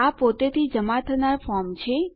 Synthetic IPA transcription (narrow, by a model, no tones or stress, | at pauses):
apot̪et̪ʰid͡ʒəmat̪ʰənaɾfɔɾmt͡ʃʰe